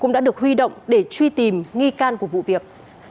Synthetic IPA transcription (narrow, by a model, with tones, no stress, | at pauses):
kʊ̰˧˥ŋ͡mɗa̰ː˧˥ɨ˨˩ək̚hwi˧ɗo̰˧˨wŋ͡mɗe˧˩t͡ɕwi˧t̪i˨˩mŋi˧kaː˧nku˧˩əvṵ˧˨vi˨˩ək̚